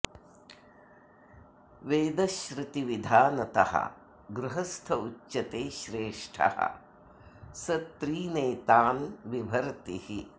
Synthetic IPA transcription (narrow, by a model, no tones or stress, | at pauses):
ʋeːd̪ɐʃɾɪt̪iʋid̪ʱaːnɐt̪ɐ̰hɐ̰ | ɡɾuɦɐst̪ʰɐut͡ʃːʃɐt̪eːʃɾeːʂʈʰɐ̰hɐ̰ | sɐt̪ɾiːneːt̪aːnʋibʱɐɾt̪ihi